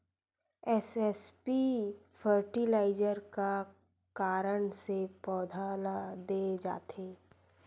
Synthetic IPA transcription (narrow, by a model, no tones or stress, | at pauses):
ɛsɛspi | pʰəɾʈilaːɪd͡ʒəɾka | kaːɾəɳsepɔːd̪ʱalad̪ed͡ʒa̰ːt̪ʰeː